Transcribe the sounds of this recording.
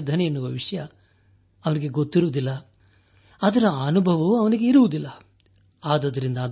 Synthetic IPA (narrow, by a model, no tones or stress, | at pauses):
d̪ʱɐnɛenːuʋɐʋiʂɐjɐ | ɐʋɐniɡe̞ɡot̪ːiɾuʋud̪ilːɐ | ɐd̪ɐɾɐɐnubʱɐʋɐuɐʋɐniɡe̞iɾuʋud̪ilːɐ | aːd̪ɐd̪ɐɾind̪ɐː